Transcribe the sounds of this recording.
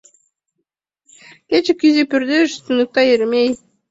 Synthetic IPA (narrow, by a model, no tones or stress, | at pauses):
ket͡ʃekʲyzepyɾd̪eʃst̪ynuk̚t̪ɑjeɾmej